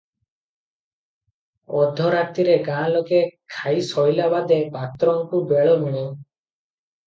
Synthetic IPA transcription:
ɔd̪ʱːɔɾat̪iɾeɡãlokekʰajsɔjlabad̪epat̪ɾɔŋkubeɭɔmiɽ̃e

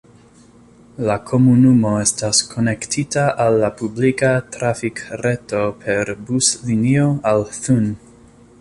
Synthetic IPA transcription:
lakʰo̞munumo̞e̞staskʰo̞ne̞ktʰitaʔalːapublikatɾafikɾe̞to̞pʰe̞ɾbuslinio̞alθun

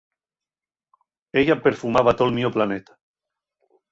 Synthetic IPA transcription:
eʎapeɾfumaβ̞at̪olmioplanet̪ḁ

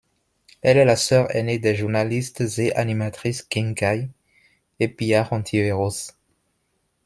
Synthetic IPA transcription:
ɛlɛlasœʁɛ̰ned̪ɛʒuʁnalist̪zeʔanimat̪χiskĩŋkaj | epiaʁɑ̃t̪ʰieʁos

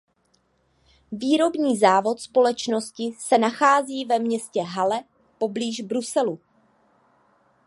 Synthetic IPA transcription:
viːɾo̞bɲiːzaːvo̞t̪spo̞lɛt͡ʃno̞scɪsɛnaxaːziːvɛmɲɛscɛɦalɛ | po̞bliːʒbɾusɛlu

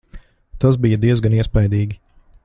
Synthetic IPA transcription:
t̪as̬bijəd̪iɛzɡaniɛspajd̪iːɡʲi

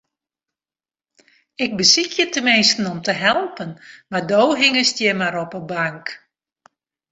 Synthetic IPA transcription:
ɪk̚bəsikʰjətəmɪnstn̩ɔmtəɦɛlˠpənmardowɦɪŋəstjɛmaɾɔpəbaŋk

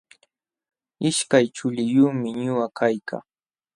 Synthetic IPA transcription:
ɪʃkajt͡ʃʊʎɪjʊχmɪɲʊwakʰajka̰ŋ

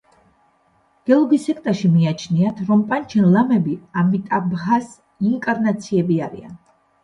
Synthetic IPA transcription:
ɡ̥ɛlˠɔɡisɛk̚ʰt̪ʼaɾʃimiat͡ʃʰniat̪ʰɾɔmpʼant͡ʃʰɛnlˠamɛbiamit̪ʼabɣas | iŋkʼaɾnat̪sʰiɛbiaɾḭa̰n

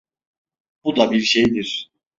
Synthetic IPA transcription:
bud̪abiɾʃejd̪iɾ̥

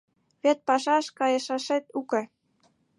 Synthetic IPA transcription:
βet̪̚pɑʃɑʃkɑjeʃɑʃet̪ukĕ

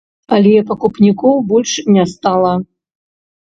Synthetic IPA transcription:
ɐlʲɛpɐkupnʲikɔwbɔlʲʂnʲɛst̪alˠɐ

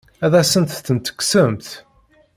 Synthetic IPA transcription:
æðæsənt̪θənt̪ə̥kːsəmθ

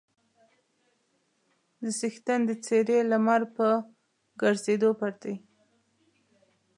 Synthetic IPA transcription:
d̪əsixt̪and̪ət͡seɾelamaɾpə | ɡaɾzed̪opaɾt̪aj

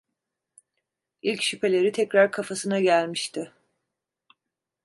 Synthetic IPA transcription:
ilʲcʃypʰe̞lʲe̞ɾit̪ʰɛcɾaɾkʰafasɯnaɟælʲmiʃt̪ʰɪ

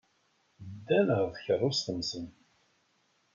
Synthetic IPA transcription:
d̪ːænəʁðçərˤːʊsθəmzən

